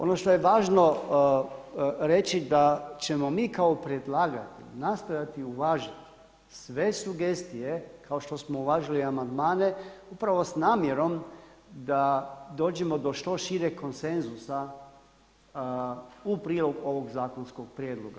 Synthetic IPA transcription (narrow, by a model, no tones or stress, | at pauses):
o̞no̞ʃt̪ojeʋaːʒno̞ | ɾe̞t͡ʃid̪at͡ʃe̞mo̞miːkaopɾed̪laːɡa̰t̪ḭnast̪ojat̪iuʋaːʒit̪ | sʋe̞suɡest̪ijekʰao̞ʃt̪o̞smo̞uʋaːʒiliamand̪maːne̞upɾaʋo̞snaːmjeɾo̞md̪ad̪o̞ːd͡ʒemo̞d̪o̞ʃt̪o̞ʃiɾeko̞nse̞nzusa | upɾiːlˠo̞ɡuo̞ʋo̞ɡzaːko̞nsko̞ɡ̚pɾjeːd̪lˠoɡa